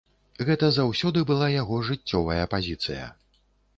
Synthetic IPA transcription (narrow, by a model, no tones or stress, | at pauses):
ɣɛt̪ɐzawsʲɔd̪ɨbɨlˠajaɣɔʐɨt͡sʲːɔvɐjɐpazʲit̪sɨ̰jɐ̰